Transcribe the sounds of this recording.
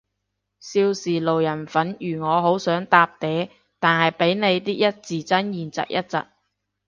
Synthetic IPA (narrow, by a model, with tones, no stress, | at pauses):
siː˧wsiː˨lo˨wjɐ˨˩nfɐ˨˥njyː˨˩ŋɔː˨˧ɦo˨˥wsœː˨˥ŋt̪aː˧p̚t̪ɛː˨˥ | t̪aː˨nhɐ˨jpe˨˥jne˨˧jt̪iː˥k̚jɐ˥t̚t͡siː˨˩t͡sɐ˥njiː˨˩nt͡sɐ̰˨k̚jɐ˥t̚t͡sɐ̰˨t̚